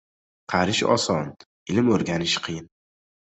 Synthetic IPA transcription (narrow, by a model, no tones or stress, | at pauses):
qʰɑɾɪʃɒ̰sɒn | ɪlɪmɵɾɡʲanɪʃqʰɨjɪn